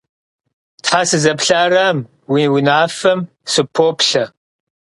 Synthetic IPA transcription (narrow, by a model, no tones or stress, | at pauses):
tħaːsɨzɐpɬaːram | wiwinaːfɐm | sɨpʰoːpɬɐ